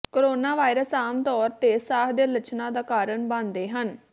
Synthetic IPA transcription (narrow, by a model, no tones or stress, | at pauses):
koɾoːnaːʋaːɪɾəsaːmt̪ɔːɾt̪eːsaːɦd̪eːlət͡ʃʰnãːd̪aːkaːɾəɳbãnd̪eːɦən